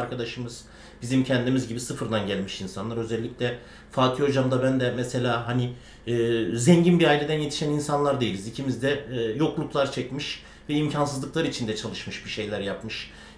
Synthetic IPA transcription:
ɾkʰad̪aʃɯmɯz | b̥izimcʰɛnd̪imizɟibisɯfɯɾd̪anɟælʲmiʃinsanlˠaɾø̞zɛlʲːicʲlʲɛ | faːk̪ʰiho̞d͡ʒamd̪abænd̪ɛmɛse̞lʲaːɦaniː | zɛɲɟinbiɾaːilʲe̞d̪ænje̞t̪ʰi̥ʃæninsanlˠaɾd̪e̞jilʲizicʰimizd̪ɛːjo̞klˠuklˠaɾt͡ʃʰɛcmiʃ | vɛimcʰansɯzlˠɯklˠaɾit͡ʃʰind̪ɛt͡ʃʰalˠɯʃmɯʃbiʃe̞jlʲæɾjapmɯʃ

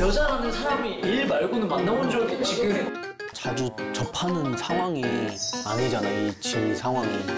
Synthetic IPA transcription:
jʌd͡ʑaɾanɯnsʰaɾamiiɭbaɭɡunɯnmannamond͡ʑoɡet͡ɕʰiɡinɯ | t͡ɕad͡ʑut͡ɕʌpʰanɯnsʰaŋwaŋia̰nɡed͡ʑanajoit͡ɕesʰaŋwaŋi

